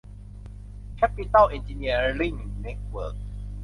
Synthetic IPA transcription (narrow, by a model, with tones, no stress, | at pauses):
kʰɛ˦pit̪a˥˨li˨nd͡ʒi˧ni˧ə˨li˥˨ŋnɛ˥˦t̚wə̰˨˩k̚